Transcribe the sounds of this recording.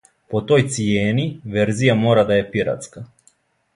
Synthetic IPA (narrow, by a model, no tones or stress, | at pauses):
pot̪ojt̪sijɛnivɛɾzijamoɾad̪aɛpiɾa̰t̪ska